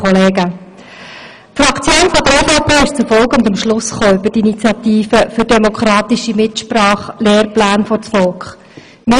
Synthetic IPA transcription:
ɔleːɡə | tfrɑkt͡sjoːnfɔd̪əɾɛfɑːpʰeːɪʃt͡sʊfɔlkʊnd̪amʃlʊsχoːʏbədiinit͡sjɑt̪iːfəfʏɾdɛmokʰɾɑːt̪iʃimɪtʃprɑːχleːrplæːnfɔt͡sfɔlkχ | mɪ

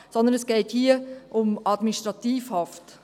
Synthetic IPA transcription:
sɔndənəsɡ̥ɛɪthiːəʔʊmɑd̥̪miniʃtɾɑtiːfhɑft

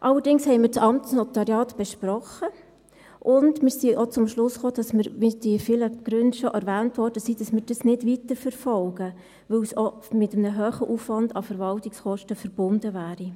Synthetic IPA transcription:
ʔɑlːəɾdɪŋshɛɪmɪːɾt͡sɑmt͡snɔt̪ɑɾjɑːtb̥ɛʃpɾɔχə | ʔʊndmɪːɾsiʔot͡sʊmʃlʊsχoːd̥ɑsmɪɾʋid̥iəfɪləɡ̥ɾʏndʃoʔɛɾʋæːntʋɔrd̥əsiːd̥ɑsmɪːɾd̥ɑsnɪdʋitəɾfəɾfɔlɡ̥ə | ʋɵwso | mɪtəmnəɦøːχəʔufʋɑndɑfəɾʋɑltiksχɔʃtəfəɾb̥ʊndəvæːɾi

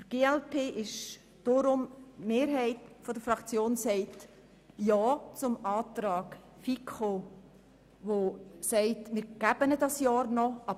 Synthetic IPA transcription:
fəɾɡ̥eːɛlpʰeːʔɪʃ | d̥oɾʊmmeːɾɦɛɪtfɔdəɾfɾɑkt͡sjoːnsɛɪt | jɑːt͡sʊmɑːtɾɑːɡ | fikχo | ʋosɛɪtmɪɾɡ̥æb̥ənədɑsjɑːɾnɔʔɑb

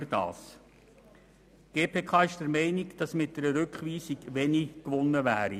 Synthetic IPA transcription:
ɾd̥ɑ̰ːs | ɡ̥eːpʰeːkʰɑːɪʃd̥əɾmɛɪniɡd̥ɑsmɪt̚d̥ɛɾəɾʏkχʋiːsikʋɛnikʋʊnːəʋæːɾi

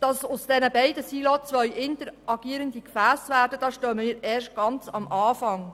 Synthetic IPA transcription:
d̥ɑsʊsd̥ɛnəbɛɪdəsiːlot͡sʋœʏʔɪntəɾʔɑɡ̥iːəɾəndikfæːsvæːdəd̥ɑːʃtœːməmiːɾɛːɾʃt̚ɡ̥ɑnt͡sɑmʔɑːfɑŋ

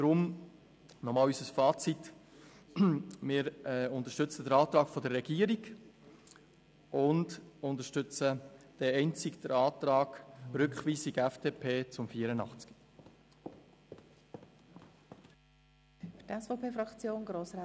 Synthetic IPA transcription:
d̪̥ɾʊm | nɔmɑːlysəsfɑːt͡sit | mɪːɾɛʊnt̪əʃtʏt͡sədəɾɑːt̪ɾɑːkfɔdəːɛɡ̥iːəɾiɡ | ʔʊndʊnt̪əʃtʏt͡səd̥ɛɛɪnt͡sikd̪̥əɾɑːt̪ɾɑːɡɾʏkχʋiːsiɡɛfd̥eːpʰeːt͡sʊmfiːəɾənɑχt͡ski̥ | fy̥tɛsfopʰeːfɾɑkt͡sjoːnɡɾoːsɾa

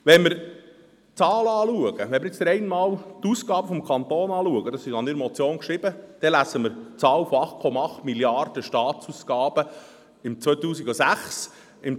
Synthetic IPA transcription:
ʋɛnmɪɾ | t͡sɑːləɑːluəɡ̥əʋɛnməɾjɪt͡sd̥̪əɾɛɪnmɑːlt̪uːsɡ̥ɑːb̥əfɔmkʰɑnt̪oːnɑːluəɡəd̥̪ɑsɪʃɑnɪɾmɔt͡sjoːnkʃɾɪbəd̥ɛlæsəmɪɾt͡sɑːwfɔɑχt̚kʰɔmɑɑχt̪miljɑrd̥əʃtɑːtt͡suːsɡ̥ɑːb̥ə | ɪmt͡sʋœjt̪uːsiɡosæχs | ɪm

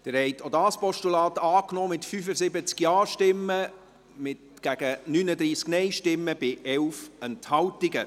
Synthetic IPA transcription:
d̥ɪɾhɛɪt̪odɑːspɔʃtulɑːtɑːknɔːmɪtfyfəzɪbət͡skjɑːʃtɪmːə | mɪt | ɡ̥æɡ̥ənynəd̪ɾiːsknɛɪʃtɪmːəb̥ɪʔɛwfɛnthɑwtɪɡə

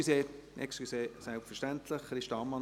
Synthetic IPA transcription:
iseːʔɛ̰kstiseːsɛlpfəʃtænt̪ʰləχɾɪʃtɑːmɑ

